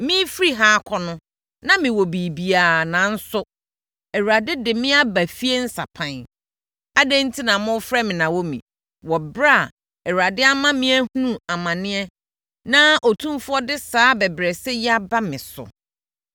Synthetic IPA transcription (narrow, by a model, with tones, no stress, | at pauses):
mĩ˦fɾi˦ɦaː˦kʰɔ˦nʊ̃˦ | nã˦mɪ̃˨wɔ˨bi˨bi˨aː˨nã˨n̩˦sʊ˦ | ɛ˨wu˨a˨dɪ˦dɪ˨mɪ̃˦a˦bæ˨fi˦e˦n̩˦sa̰˨pʰã˦˨n | a˦dɛ̃˦n̩˦tʰi˦nã˨mʊ̃˦fɾɛ˦mɪ̃˨nã˨wɔ˦mḭ̃˨ | wɔ˨bɾa˦˨ | ɛ˨wu˨ɾa˨dɪ˦a˦mã˦mɪ̃˦æ˦hu˦ũ˦a˨mã˨nɪ̃˦ɛ˦ | nã˦ʔo˨tʰũ˦mfʊ˦ɔ˦dɪ˦saː˨˦bɛ˨bɾɛ˨sɛ˦ja˦ba˦mɪ̃˨sʊ̰˨